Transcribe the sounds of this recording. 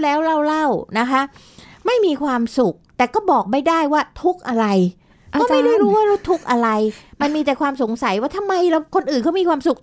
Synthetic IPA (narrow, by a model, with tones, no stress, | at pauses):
lɛː˦˥wɾa˥˩wla˥˩wna˦˥kʰa˦˥ʔ | ma˥˩jmiː˧kʰwaː˧msu˨˩k̚t̪ɛː˨˩kɔː˥˩bɔː˨˩k̚ma˥˩jdaː˥˩jwaː˥˩t̪ʰu˦˥k̚ʔa˧ɾa˧j | kɔː˥˩a˥˩jda˥˩jɾuː˦˥waː˥˩ɾa˦˥˩wt̪ʰu˦˥k̚ʔa˧ɾa˧jma˧nmiː˧t̪ɛː˨˩kʰwaː˧mso˨˩˦ŋsa˩˦jwaː˥˩t̪ʰa˧mːa˧jɾa˧wkʰo˧nʔɯː˨˩nkʰɔː˥˩miː˧kʰwaː˧msu˨˩k̚